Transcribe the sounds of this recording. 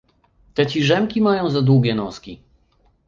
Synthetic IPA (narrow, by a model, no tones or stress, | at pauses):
t̪ɛt͡ɕiʐɛmkʲimajɔ̃w̃zad̪wuɡʲɛnɔskʲi